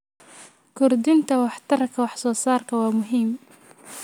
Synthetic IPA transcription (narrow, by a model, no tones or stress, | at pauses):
kʊɾd̪ɪnt̪awaħt̪ɑɾˤɑkwaħsˤusˤɑːɾˤkawamʊɦim